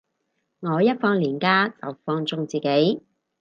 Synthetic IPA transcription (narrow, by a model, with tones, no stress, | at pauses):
ŋɔː˨˧jɐ˥t̚fɔː˧ŋliː˨˩nkaː˥t͡sɐ̰˨˩wfɔː˧ŋt͡sʊ˧ŋt͡siː˨˩ke˨˥j